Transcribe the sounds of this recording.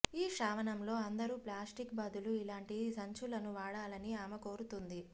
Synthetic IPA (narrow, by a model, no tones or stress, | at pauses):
iːʃaːʋɐnɐmlo̞ːɐnd̪ɐɾuːplaːsʈikbɐd̪uluilaːɳʈisɐɲt͡ʃulɐnuʋaːɽaːlɐniaːmɐko̞ːɾut̪und̪i